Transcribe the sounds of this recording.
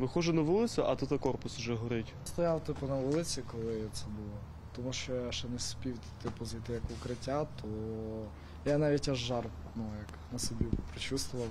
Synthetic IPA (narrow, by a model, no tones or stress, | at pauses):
ʋɪxɔʒɛnɐʋulˠɪt͡s̪ʲʊʔɐt̪ut̪ɐkɔrpʊsʊʒɛɦɔɾɪtʲst̪ɔjɑwt̪ɪpʊnɐʋulˠɪt͡sʲikɔlˠɪt̪sɛbʊlˠɔ | t̪ɔmuʃt͡ʃɔjaʃɛnɛspʲiw | t̪ɪpʊzɐjt̪ɪjɐkʊkɾɪtʲːat̪ʰɔ | janɑʋʲit̚ʲɐʒːɑr | nujɐknɐsɔbʲipɾɪt͡ʃust̪wʊʋɐw